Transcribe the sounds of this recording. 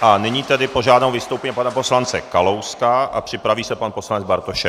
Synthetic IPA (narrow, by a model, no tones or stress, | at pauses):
ʔanɪɲiːt̪ɛdɪpoʒaːdnowvɪst̪owpɛɲipanapo̞slant͡sɛkalowskaʔa̰pr̝̥ɪpɾaviːsɛpanpo̞slanɛd͡zbaɾt̪oʃɛ